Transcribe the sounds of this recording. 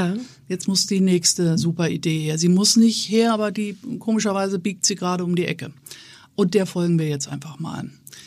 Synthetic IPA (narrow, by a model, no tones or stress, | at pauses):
jɛt͡stmʊsd̥iːnɛːçstəzuːpɐideːheːɐziːmʊsnɪçtheːɐʔaːbɐdiːkʰoːmɪʃɐvaɪzəbiːk̚tz̥iːɡʁaːɾəʊmdiːʔɛkə | ʔʊntd̥eːɐfɔlɡŋ̩viːɐjɛt͡stʔa̰ɪnfaχma̰ːl